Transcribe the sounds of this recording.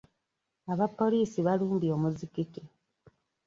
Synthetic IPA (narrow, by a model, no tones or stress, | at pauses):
aβapːo̞liːsiβaluːmbio̞ːmuzikike